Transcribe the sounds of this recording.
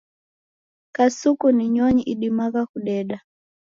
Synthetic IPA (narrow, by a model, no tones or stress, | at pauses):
kasukuniɲɔɲiʔiɗimaɣakuɗɛɗa